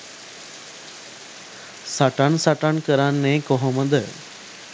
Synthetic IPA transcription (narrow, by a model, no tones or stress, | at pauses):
saʈaɳsaʈaɳkəɾanːẽkoɦəməd̪əɭ